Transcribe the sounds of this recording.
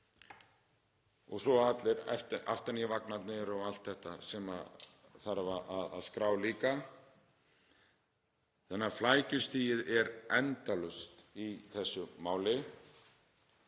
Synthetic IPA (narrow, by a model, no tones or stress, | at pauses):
ɔɣsɔat̪lɪɾɛ̰ft̪a̰ft̪anivaknat̪nɪɾɔɣal̥t̪θɛht̪asɛma̰ | θaɾvaaða̰ðskɾaːwliːka | θɛnɪaflaːjcʏst̪iːjɪðɛɾɛnt̪alʏst̪iθɛsːʏmaːwlɪ